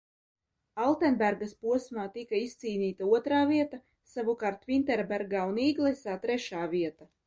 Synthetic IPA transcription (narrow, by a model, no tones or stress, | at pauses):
alˠt̪enbʲæɾɡaspuɔsmaːt̪ikaist̪siːniːt̪auɔt̪ɾaːviɛt̪a | savukaːɾt̪vint̪ɛɾbæɾɡaːuniːɡlˠɛsaːt̪ɾɛʃaːviɛt̪a